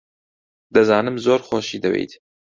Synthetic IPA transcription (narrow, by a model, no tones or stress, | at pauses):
d̪ɐzɑːnɨmzoːɾxoːʃiːd̪ɐwḛjt̪